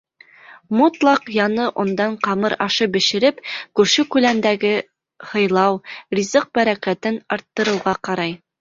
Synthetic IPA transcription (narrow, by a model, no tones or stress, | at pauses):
mot̪lˠɑqjɑnɤʔŏnd̪ɑɴqɑmɤɾɑʃɤbɘ̆ʃɘ̆ɾɘpkʉɾʃɘkʉlænd̪æɡɘ | hɤ̆jlˠɑwrʲizɤq̚bæɾækæt̪ɘnɑɾt̪ːɤ̆ɾɤ̆wʁɑqɑɾɑj